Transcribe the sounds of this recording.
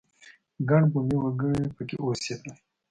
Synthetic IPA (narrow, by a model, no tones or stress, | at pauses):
ɡaɳbumiwəɡəɽipəkḛʔose